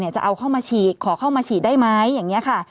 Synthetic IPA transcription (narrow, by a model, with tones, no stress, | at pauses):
ni˥˩ɐt͡ɕa̰˨˩ʔa˧wkʰa˥˩wmaː˧t͡ɕʰiː˨˩t̪̚kʰɔː˩˦kʰa˥˩wmaː˧t͡ɕʰiː˨˩t̪̚daː˥˩jma˦˥jːaː˨˩ŋːi˦˥ɐkʰa˥˩